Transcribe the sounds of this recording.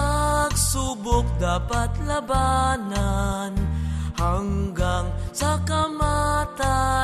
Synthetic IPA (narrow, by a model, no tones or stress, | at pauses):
k̚subʊk̚d̪aːpɐt̪lɐbananhaŋɡaŋsɐkɐmat̪a